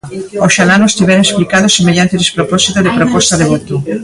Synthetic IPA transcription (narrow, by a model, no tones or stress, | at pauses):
oʃalanʊest̪iβɛɾõesplikaðʊsemeʎant̪eðespɾopɔsit̪oðepɾopɔst̪aðeβut̪u